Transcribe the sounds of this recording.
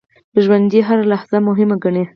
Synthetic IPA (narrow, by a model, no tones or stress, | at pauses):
d̪əʒwand̪iɦaɾalahz̥amʊɦɪmaɡaɳe